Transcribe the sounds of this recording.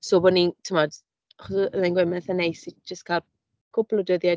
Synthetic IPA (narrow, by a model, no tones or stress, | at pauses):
sobɔnitʰəmɔd | aχɔsəmanŋɡwɛmɛθanejsid͡ʒəstkʰaːlˠ | kʰʊplˠʊdəðja